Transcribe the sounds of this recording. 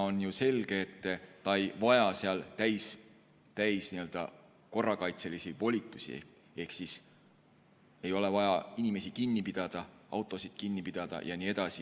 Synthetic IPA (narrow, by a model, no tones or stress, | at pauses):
onjuse̞lɡ̥e̞ːt̪ːt̪ɑejvɑjɑseɑlt̪æjs | t̪æjsniøld̪̥ɑ̰ | ko̞rːɑkɑjt̪se̞lisivo̞lʲit̪ːˑu̥sḭ | e̞hksis | e̞jo̞le̞vɑjɑinime̞sikinːipid̪̥ɑd̪̥ɑʔɑ̰wt̪ˑo̞sit̪̚kinːipid̪̥ɑd̪̥ɑ̰jɑniːe̞d̪̥ɑsi